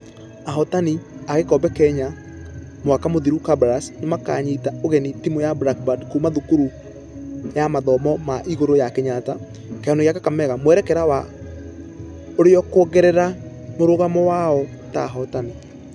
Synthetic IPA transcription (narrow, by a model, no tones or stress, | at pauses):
aɦɔtaniaɣekɔbɛkɛɲa | mwakamoðiɾukabɾasnemaka̰ɲiːtaoɣɛnitimojabɾak̚badkumaðukuɾu | jamaðɔmɔmaʔiɣoɾojakeɲata | kɛanoɣjakakamɛɣamoɛɾɛkɛɾawa | oɾeɔkɔɣɛɾɛɾa | moɾoɣamɔwaɔ | ta̰ɦɔtani